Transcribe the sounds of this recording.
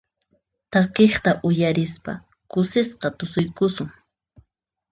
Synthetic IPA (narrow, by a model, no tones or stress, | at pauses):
t̪akeχt̪aʔʊjaɾɪspa̰ | kʊsɪsqɑt̪ʊsʊjkʊsʊŋ